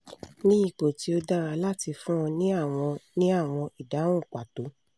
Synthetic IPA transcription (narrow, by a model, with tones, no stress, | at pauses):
nĩ˦i˦˨k͡po˨ti˧˦o˧da˦ɾa˧˨la˦˨ti˧fũ˦ɔ̃˧nĩ˦a˦˨w̃ɔ̃˧nĩ˦a˦˨w̃ɔ̃˧i˨dã˨˦ũ˦˨k͡pa˨to˨˦